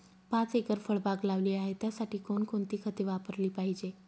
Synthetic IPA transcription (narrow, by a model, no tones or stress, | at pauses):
pãt͡sekəɾfəɭbaɡlaʋliːaɦet̪jasaʈiːkonkoɳt̪iːkʰət̪eʋapəɾliːpaɦid͡ʑe